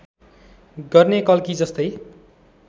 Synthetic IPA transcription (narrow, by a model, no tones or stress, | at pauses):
ɡʌrnekʌlkid͡zʌst̪ʌj